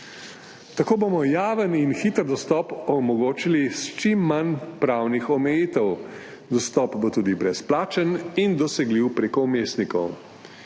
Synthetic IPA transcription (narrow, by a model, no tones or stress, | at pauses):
t̪akoːbomɔjaːʋəninxiːt̪əɾd̪ɔst̪ɔpɔmɔɡoːt͡ʃilist͡ʃimːanpɾaːwnixɔmɛjiːt̪əw | d̪ɔst̪ɔːpbot̪uːd̪ibɾɛsplaːt͡ʃənind̪ɔsɛɡliwpɾeːkɔumeːst̪nikɔw